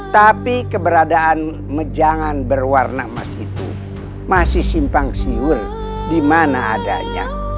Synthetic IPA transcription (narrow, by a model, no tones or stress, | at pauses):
t̪apikəbəɾadaʔːn | məd͡ʒaŋanbərwarnama̰sit̪ṵ | masɪhsimpaŋsiwur | dimana̰ːda̰ɲa̰